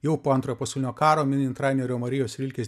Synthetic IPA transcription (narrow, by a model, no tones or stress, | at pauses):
jɛʊpoːɐnt̪ɾoːjoːpɐsʲɛʊlʲɪnʲokɑːɾoːmʲɪnʲɪnt̪ɾɑːjmʲɛɾʲoːmɐɾʲɪjoːsʋʲɪlʲkʲes